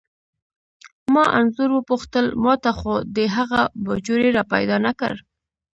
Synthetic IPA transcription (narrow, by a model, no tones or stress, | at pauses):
mɑʔa̰nzʊɾwəpuxt̪əlmɑt̪axod̪əɦaɣabad͡ʒoɾeɾɑpa̰jd̪ɑnakə̰ɾ